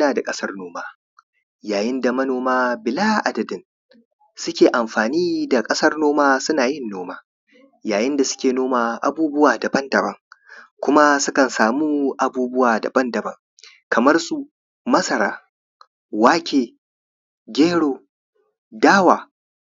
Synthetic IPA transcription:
aː˨da˨kʼɐ˦sɐ˦rnoː˦maː˦ | jaː˨jɪ˦nda˨mɐ˦noː˨maː˦bɪ˨laː˦˨ʔa˨dɐ˨dɪ˦n | sʊ˦kʲeː˨ʔa˨mɸaː˨niː˦da˨kʼɐ˦sɐ˦rnoː˦maː˦sʊ˦naː˨jɪ˦nːoː˦maː˦ | jaː˨jɪ˦nda˨sʊ̥˦kʲeː˨noː˦maː˨ʔa̰˨buː˦bʊ˦waː˨dɐ˨bɐ˦ndɐ˨bɐ˦ŋkʷʊ˦ma˦sʊ˦kɐ˨nsaː˨muː˦ʔa˨buː˦bʊ˦waː˨da̰˨bɐ˦ndɐ˨bɐ̰˦ŋ | kɐ˨mɐ˦rsu˦ | mɐ˦sɐ˨ɾaː˦ | waː˦kʲeː˨ | ɡʲeː˦ɽoː˨ | daː˦waː˨

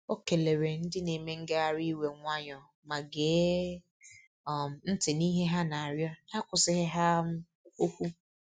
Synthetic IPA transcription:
o˦ke˨le˨ɾe˨n̩˦dɪ˦ne˨me˦ŋ̩˦ɡe˦a˨ɾi˦we˨ŋʷa˦ɲɔ˨ | ma˨ɡeː˨˦˨ | n̩˦tɪ˨ni˦ɦe˦ɦa˦na˨a˨ɾjɔ˦na˦kʷʊ˨sɪ˦ɦɪ˦ɦa˦m̩˦ | o˦kʷu˦

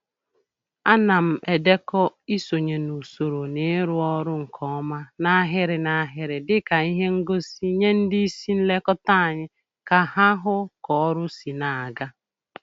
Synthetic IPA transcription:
a˦na˨m̩˨ʔe˨de˦kɔ˦i˦so˨ɲe˨nu˨so˨ɾo˨ne˨˦ɾʊ˦ɔ˦ɾʊ˦ŋ̩˨kʰɔ˦ma˦na˦ɦɪ˦ɾɪ˨na˦ɦɪ˦ɾɪ˨dɪ˦ka˨i˦ɦe˦ŋ̩˦ɡo˦si˦ɲe˦n̩˦dɪ˦i˦si˦n̩˦le˦kɔ˦ta˦a˨ɲɪ˦ | ka˨ɦa˦ɦʊ˦kɔ˨˦ɾʊ˦si˨na˨a˨ɡa˦

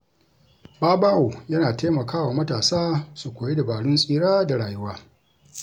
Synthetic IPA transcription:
baː˦baː˦ʔu˨jɐ˦naː˨te˦mɐ˨kaː˦waː˨mɐ˦taː˨saː˦su˨kʷoː˨je˦da˨baː˨ɽʊ˦nsʼiː˦ɽaː˦da˨ɽaː˨jʊ˦waː˦

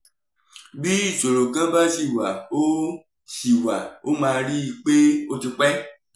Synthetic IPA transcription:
bi˦d͡ʒo˨lo˨ɡã˦ba˦si˨wa˨wo˦ | si˨wa˨wʔo˦mã˨ɾi˦˨k͡pe˦wo˦ti˨k͡pɛ˦

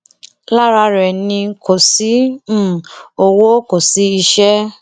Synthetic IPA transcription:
la˦ɾa˧ɾɛ˨nĩ˧ko˨si˨˦˨ | o˧wo˦ko˨si˨˦i˧ʃɛ˦

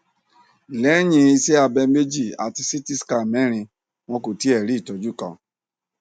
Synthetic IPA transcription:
lɛ˨˦ɲĩ˧i˧se˦a˧bɛ˧me˦d͡ʒi˦˨a̰˨ti˧si˦ti˦ska˦˨mɛ˦ɾ̃ĩ˧ | wɔ̃˧ko˨ti˦ɛ˨ɾi˦˨to˨d͡ʒu˦˨kɔ̰̃˧

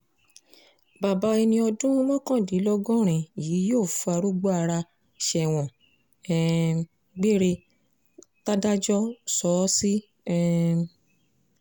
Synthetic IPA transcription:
ba˨ba˨˧˦i˧nĩ˧ɔ˧dũ˦wɔ̃˦kã˦˨di˨˦lɔ˦ɡɔ̃˦ɾ̃ĩ˨jiː˨˦joː˦˨fu˧˦a˧ɾu˦ɡ͡bo˦a˧ɾa˧ | ʃɛ˧˨w̃ɔ̃˨ | ɛ˨ | ɡ͡be˦ɾe˧ | ta˦da˦d͡ʒɔ˦sɔ˨˦si˦ | ɛ˦

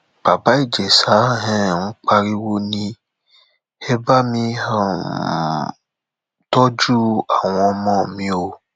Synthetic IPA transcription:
b̥a˨ba˨˦i˦˨d͡ʒɛ˨sa˨˦ɦɛ̃˦˨ñ̩˦k͡pa˧ɾi˦wo˦nĩ˧ | ɛ˦ba˦mĩ˧hã˦˨ | tɔ˦d͡ʒu˦a˨w̃ɔ̃˧ɔ˧mɔ̃˦˨mĩ˧˦o˧

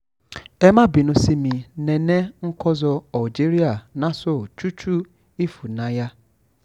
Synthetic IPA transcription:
e˦ma˦bi˨nʊ̃˨si˦mi˨ne˨ne˦ŋ̩˦kɔ˦zɔ˨ɔ˨d͡ʒi˦ɾi˦a˨na˦so˦˨t͡ʃu˦t͡ʃu˦ | i˦fu˨na˨ja˦

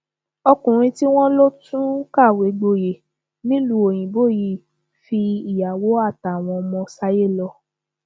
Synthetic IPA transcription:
ɔ˧kũ˨ɾ̃ĩ˧ti˦w̃ɔ̃˦lo˦tũ˦ka˦˨we˨˦ɡ͡bo˧je˨ | nĩ˦lũ˦o˨j̃ĩ˨bo˦˨ji˦˨ | fi˧i˨ja˨wo˨˦a˦˨ta˨w̃ɔ̃˧ɔ˧mɔ̃˧sa˦je˦˨lɔ˧

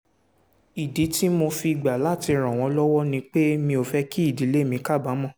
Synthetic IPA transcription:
i˨di˨˦ti˦mo˧fi˧i˨ɡ͡ba˨la˦˨ti˧ɾ̃ã˨w̃ɔ̃˧˦lɔ˦wɔ˦nĩ˧k͡pe˦mĩ˧o˨fɛ˦ki˦i˦˨di˨˦le˦˨mĩ˧˦ka˦˨ba˨˦mɔ̃˦˨

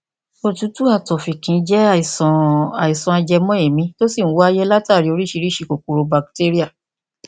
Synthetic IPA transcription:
o˧˨tũ˨˦tu˦a˦˨tɔ˨fi˨kĩ˨˧˦d͡ʒɛ˦˨i˨sɔ̃˨a˨i˨sɔ̃˧a˧d͡ʒɛ˧mɔ̃˦e˨mĩ˧˦to˦si˦˨ñ̩˦wa˦jɛ˦la˦ta˦˨ɾi˧o˧ɾi˦ʃi˧ɾi˦ʃi˧ko˨ku˨ɾo˧ba˧k̚te˦ɾi˦a˦˨

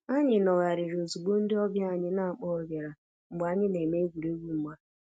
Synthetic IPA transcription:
a˦ɲɪ˨nɔ˨ɣa˨ɾɪ˨ɾo˨zu˨ɡ͡bo˦n̩˦dɪ˦ɔ˦bja˦˨ɲɪ˦na˦˨k͡pɔ˦ɡe˨ɾa˨ | ŋ͡m̩˨ɡ͡ba˨˦ɲɪ˦ne˨me˦ɡu˨ɾe˦ɡʷu˦ŋ͡m̩˦ɡ͡ba˦

